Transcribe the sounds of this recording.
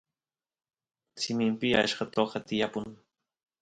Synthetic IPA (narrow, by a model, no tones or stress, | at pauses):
sɪmɪmpɪa̰ʃɢɑt̪oqɑt̪ɪjapʊŋ